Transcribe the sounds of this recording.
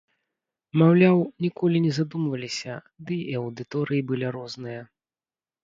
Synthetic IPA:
mawlʲawnʲikɔlʲinʲɛzad̪umvɐlʲisʲɐ | d̪ɨɐwd̪ɨt̪ɔɾɨjibɨlʲiɾɔznɨjɐ

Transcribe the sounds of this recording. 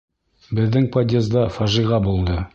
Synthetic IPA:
bɘ̆ðːɘŋpɐd̪ʲezd̪ɑfɑʒiʁɑbulˠd̪ɤ

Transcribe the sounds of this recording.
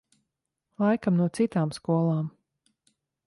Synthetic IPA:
lˠajkamnuɔt̪sit̪aːmskuɔlˠaːm

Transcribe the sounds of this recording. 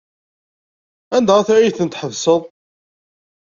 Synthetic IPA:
ænd̪æʁæθɾjiθənt̪ħəvsəðˤ

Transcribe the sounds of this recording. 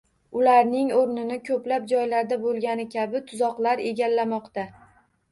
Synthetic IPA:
ʊlaɾnɪŋoɾnɪnɪkʲʰɵplap̚d͡ʒɒjlaɾd̪abolˠɡʲanɪkʲʰabɪt̪ʰʊzɒqlˠaɾe̞ɡʲalːamɒqt̪a

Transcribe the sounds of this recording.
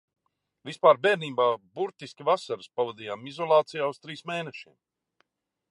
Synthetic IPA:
vispaːɾbɛːɾniːbaːbuɾt̪iskʲivasaɾɨspavad̪iːjaːmizɔlˠɑːt̪sijaːust̪ɾiːsmeːnɛʃiɛm

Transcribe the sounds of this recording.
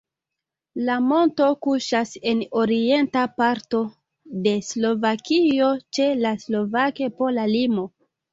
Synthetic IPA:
lamo̞nto̞kuʃase̞no̞ɾie̞ntapaɾto̞ | de̞slo̞vakio̞t͡ʃe̞laslo̞vake̞po̞lalimo̞

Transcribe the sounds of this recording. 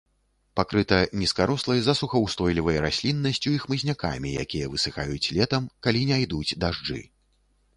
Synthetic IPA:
pakɾɨt̪ɐnʲiskaɾɔslˠɐjzɐsuxɐwst̪ɔjlʲivɐjɐɾasʲlʲinːɐsʲt͡sʲuixmɨzʲnʲaka̰mʲija̰kʲijɐvɨsɨxajut͡sʲlʲɛt̪ɐmkalʲinʲajd̪ut͡sʲd̪aʐd͡ʐɨ̰

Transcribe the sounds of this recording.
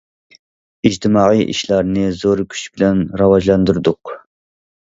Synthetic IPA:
id͡ʒt̪ʰɨmɑːʁijʔḭʃlɑɾnɨzoɾkʲʰy̥t͡ʃbɪlɛnɾɑwɑʒlˠɑnd̪uɾd̪ʊq

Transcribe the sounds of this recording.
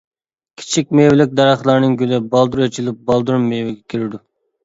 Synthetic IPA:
kʲʰi̥t͡ʃʰik̚ʲmewɪlɪk̚ʲd̪ɑɾɑχlˠɑɾnɨŋɡʲylɪbɑlˠd̪uɾet͡ʃʰilɪp̚bɑlˠd̪uɾmːejwɪɡʲɛkʲʰiɾɪd̪u

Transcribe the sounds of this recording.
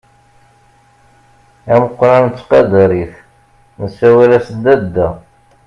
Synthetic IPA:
æməqːɾˤɑnt͡sːqɑd̪ɾiθ | nəsːæwælæsd̪æd̪ːæ

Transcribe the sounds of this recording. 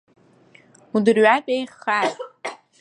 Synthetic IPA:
udɨrɥapʼejχatʼ

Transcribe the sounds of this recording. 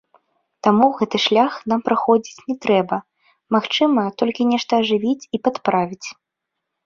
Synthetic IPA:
t̪amuɣɛt̪ɨʂlʲaxnampɾaxɔd͡zʲit͡sʲnʲɛt̪ɾɛbɐ | maxt͡ʂɨmɐt̪ɔlʲkʲinʲɛʂt̪ɐːʐɨvʲit͡sʲipat̪pɾavʲit͡sʲ

